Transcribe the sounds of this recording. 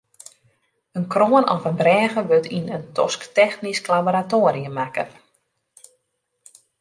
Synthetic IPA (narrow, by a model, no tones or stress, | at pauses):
ənkroːənɔfənbrɛːɣəʋøtʰinəntʰɔ̰sktɛxnisklaboɾatoːɾijəmakə